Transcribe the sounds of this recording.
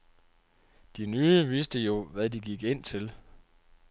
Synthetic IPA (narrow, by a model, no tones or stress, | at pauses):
d̥inyːəʋisd̥əjo̝ʋæðˠd̥iɡ̥iɡ̥e̝n̰t͡sʰe̝l